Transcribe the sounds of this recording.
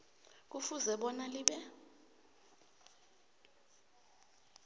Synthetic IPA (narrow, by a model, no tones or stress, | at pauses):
k̬ʼufuzɛɓɔnaliɓɛ